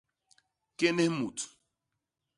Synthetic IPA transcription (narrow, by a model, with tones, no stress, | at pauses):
ke˦ne˦mu˨tu̥˨